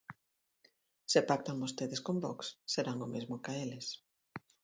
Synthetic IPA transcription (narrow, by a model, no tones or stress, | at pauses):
sepak̚t̪aŋbost̪eðɪskombɔksːeɾaŋomezmʊkaelɪs